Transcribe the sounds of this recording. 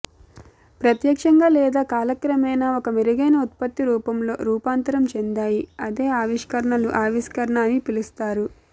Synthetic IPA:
pɾɐt̪jɐkʂɐŋɡaːlɛːd̪aːkaːlɐkɾɐmɐjnaːokɐmiɾɐɡɐjnɐut̪̚pɐt̪ːiɾuːpɐmlo̞̰ːɾuːpaːnt̪ɐɾɐmt͡ʃend̪aːjiɐd̪e̞ːaːʋiʂkɐɾɐɳɐluʔaːʋiʃkɐɾɐɳaːnipilust̪aːɾu

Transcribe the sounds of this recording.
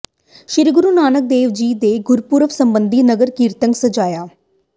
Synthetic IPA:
ʃɪɾɡʊɾuːnaːnək̚d̪eːʋd͡ʒiːd̪eːɡʊɾpuɾəʋsəmbənd̪iːnəɡəɾkiːɾt̪əŋɡsəd͡ʒaːjaː

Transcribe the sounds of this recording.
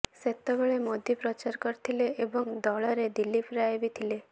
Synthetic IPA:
set̪ɔbɔɭemɔd̪ʱjipɾɔt͡ʃaɾkɔɾt̪ʰileʔːbɔŋd̪ɔɭɔɾed̪ilːipɾaebit̪ʰile

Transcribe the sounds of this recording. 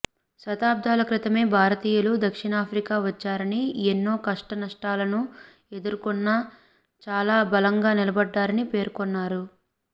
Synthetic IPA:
sɐt̪aːb̚d̪ʱaːlɐkɾit̪ɐme̞ːbʱaːɾɐt̪iːjɐlud̪ɐkʂiɳaːpʰɾikaːʋɐt͡ʃːaːɾɐnienːo̞ːkɐʂʈɐnɐʂʈaːlɐnu | e̞d̪uɾukɔnːɐ | t͡ʃaːlaːbɐlɐŋɡaːnilɐbɐɖːaːɾɐnipe̞ːɾkɔnːaːɾu

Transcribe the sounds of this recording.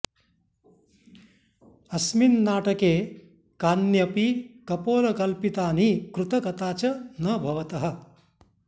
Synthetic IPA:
ɐsminnaːʈɐkeː | kaːnjɐpikɐpoːlɐkɐlpit̪aːnikɾut̪ɐkɐt̪aːt͡ʃɐnɐbʱɐʋɐt̪ɐɦɐ̆

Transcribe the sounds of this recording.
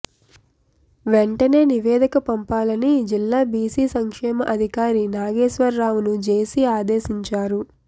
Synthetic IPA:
ʋeɳʈɐne̞ːniʋɛːd̪ʱikɐpɐmpaːlɐnid͡ʒilːaːbiːsiːsɐŋkʂɛːmɐʔɐd̪ʱikaːɾinaːɡeːʃʋɐɾːaːʋunud͡ʒe̞ːsiaːd̪eːsiɲt͡ʃaːɾu

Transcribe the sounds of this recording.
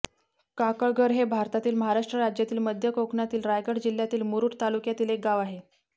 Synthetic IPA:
kakəɭɡʱəɾɦebʱaɾt̪at̪iːlməɦaɾaʂʈɾəɾad͡ʑjat̪iːlməd̪ʱjəkokɳat̪iːlɾajɡəɽd͡ʑil̤ːjat̪iːlmuɾuːʈt̪alukjat̪iːlek̚ɡaʋaɦe

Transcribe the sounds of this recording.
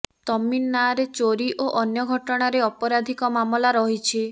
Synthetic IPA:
t̪ɔminːaɾet͡ʃoɾiʔoʔɔnjɔɡʱɔʈɔɽ̃aɾeɔpɔɾad̪ʱikɔmamɔlaɾɔɦit͡ʃʰi

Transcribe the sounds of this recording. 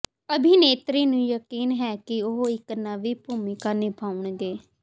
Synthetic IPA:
əbʱiːneːt̪ɾiːnũːjəkiːnɦɛːkɪʊɦoɪknaːʋiːpuːmɪkaːnɪpʰaːʊɳɡeː

